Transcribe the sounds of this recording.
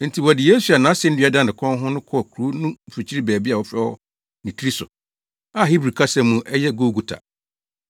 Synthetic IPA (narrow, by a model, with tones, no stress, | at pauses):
n̩˨tʰi˨wɔ˨dɪ˨je˦su˨a˨nãː˨˦sɪ̃˦n̩˦dɪ˦a˦dã˦n˨dɪ˨kʰɔ̃˦n˦ɦʊ̃˦nʊ̃˦kʰɔ˦˨kʰu˨ɾu˦nũ˦˨fi˨t͡ɕʰi˦i˦bɛː˨bi˦a˨wɔ˨fɛ˦ɔ˦ | nɪ̃˨tʰi˦ɾi˦sʊ̰˨ | a˦ɦi˦bɾi˨kʰa˦sɛ̃˦mːũ˨˦ʔɛ˦jɛ˦ɡo˦ɡu˨tʰa̰˨